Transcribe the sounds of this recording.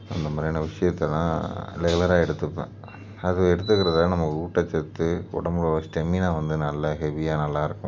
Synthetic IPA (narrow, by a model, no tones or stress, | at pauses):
ɐ̰nd̪ɐmaːɾɪjɐnɐʋɪʂɐjɐt̪ːɐlɐ̰̃lɛɣɐlɐɾaːɛɽɯt̪ːɯpːḛ̃ː | ɐðɯʋɛɽɯt̪ːɯkːɪɾɐðɐlɐnɐmːɐkːɯuːʈːɐt͡ʃːɛt̪ːɯɔ̰ɽɐmbɭɐʋɐsʈɛminãːʋɐnd̪ɯnɐlːɐɦɛʋijaːnɐlːaːɪɾɯkːʊ̃